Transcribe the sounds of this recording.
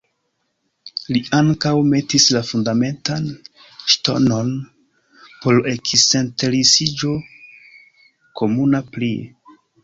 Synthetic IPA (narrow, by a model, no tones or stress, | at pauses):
liaŋkawme̞tislafundame̞ntan | ʃto̞̰no̞n | po̞lekise̞nteɾisid͡ʒo̞ | kʰo̞munapli